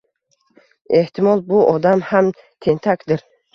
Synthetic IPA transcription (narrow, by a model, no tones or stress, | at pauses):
eht̪ʰimɔlˠbuʔɔd̪amham | t̪ʰent̪ʰakd̪ɪɾ